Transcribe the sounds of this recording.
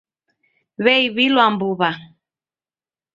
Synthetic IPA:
βɛiβilwambuβa

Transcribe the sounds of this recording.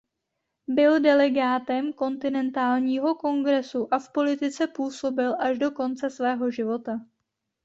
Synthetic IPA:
bɪldɛlɛɡaːt̪ɛmko̞nt̪ɪnɛnt̪aːlɲiːɦo̞ko̞ŋɡɾɛsuʔafpo̞lɪt̪ɪt͡sɛpuːso̞bɪlʔaʒdo̞ko̞nt͡sɛsvɛːɦo̞ʒɪvo̞t̪a

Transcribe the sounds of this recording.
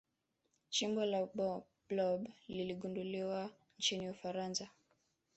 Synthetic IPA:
t͡ʃimbɔlaɓɔ | blɔbliliɡunduliwa | nt͡ʃiniufaɾansa

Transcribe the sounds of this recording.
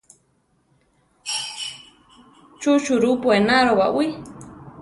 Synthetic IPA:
t͡ʃut͡ʃuɾupuenaɾowa̰ʔwi

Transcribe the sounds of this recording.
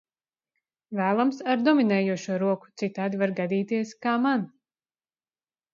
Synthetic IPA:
væːlˠamsaɾd̪ɔminɛːjuɔʃuɔɾuɔku̥t̪sit̪aːd̪ivaɾɡad̪iːt̪iɛskaːman

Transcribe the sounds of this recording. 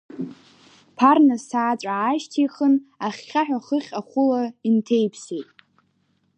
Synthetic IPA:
pʰarnasaːt͡sʼaːʃtʰiχənaχːʲaħᶣaχəχʲaχʷʊlaintʰejpʰsejtʼ

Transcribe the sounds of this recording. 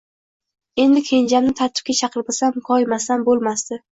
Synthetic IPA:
e̞nd̪ɪkʲʰend͡ʒamnɪt̪ʰaɾt̪ʰɪ̥p̚kʲat͡ʃʰɑqʰɨɾpɪsamkʰɒjmasanbolˠmasd̪ɪ

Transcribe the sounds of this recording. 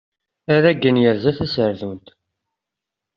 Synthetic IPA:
æɾæɡənjəɾzæθæsəɾðunt̪

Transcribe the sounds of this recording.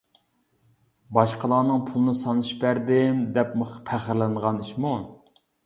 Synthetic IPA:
bɑʃqəlˠɑːnɨŋpʰulˠɨnɨsɑnɨʃbæɾd̪ɪmd̪ɛpməχpʰæχəɾlɪnʁɑniʃmu

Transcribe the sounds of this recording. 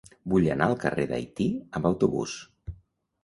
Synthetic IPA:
buʎənaəlˠkəreðə̰jt̪iəmbəwt̪uβṵs

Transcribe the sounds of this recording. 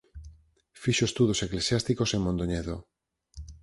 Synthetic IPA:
fiʃoest̪uðoseklesjast̪ikoseŋmõnd̪oɲeðo

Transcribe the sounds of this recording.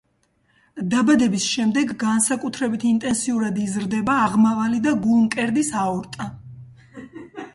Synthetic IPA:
d̪abad̪ɛbisʃɛmd̪ɛɡːansakʼut̪ʰɾɛbit̪ʰint̪ʼɛnsiuɾad̪izɾd̪ɛbaːʁmavalid̪aɡulˠmkʼɛɾd̪isaɔɾt̪ʼa

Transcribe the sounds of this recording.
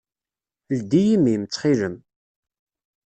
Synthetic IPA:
ld̪ijimimt͡sːχiləm

